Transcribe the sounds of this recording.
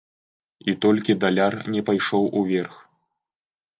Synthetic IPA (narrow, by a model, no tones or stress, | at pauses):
it̪ɔlʲkʲid̪alʲarnʲɛpajʂɔwʔuvʲɛrx